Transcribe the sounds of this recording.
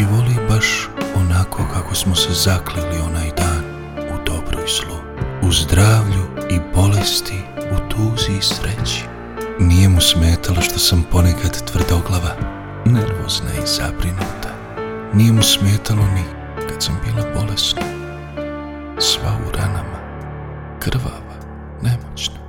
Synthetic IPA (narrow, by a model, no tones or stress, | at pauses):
iʋo̞libaʃo̞nakʰo̞kako̞smosezaklilio̞naːjd̪aːn | ud̪o̞bɾo̰jz̥lˠo | uzd̪ɾaːʋʎuibo̞le̞st̪ʰiut̪ʰuːziːsɾet͡ɕi̥ | nijemusmeːt̪ʰalaʃt̪o̞sampo̞nekʰad̪t̪ʋr̩d̪o̞ɡlˠaʋa | neɾmo̰z̥na̰iz̥a̰bɾinuːt̪ʰḁ | nije̞musmjeːt̪ʰaloni | kat̪sambiːlˠabo̞le̞sna | sʋa̰ṵɾʔanama | kr̩ʋa̰ʋa | nemot͡ɕnḁ